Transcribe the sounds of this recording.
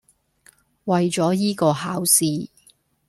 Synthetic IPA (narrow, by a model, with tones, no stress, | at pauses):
wɐ˨jt͡ʃɔː˨˥jiː˥kɔː˧ɦaː˨˥wsiː˧